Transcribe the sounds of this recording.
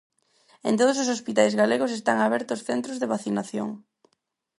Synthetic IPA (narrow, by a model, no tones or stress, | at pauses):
ḛnt̪oð̞ososospit̪ajzɣaleɣʊsest̪aŋaβ̞ɛɾt̪ʊsθent̪ɾozðeβaθinaθjo̰ŋ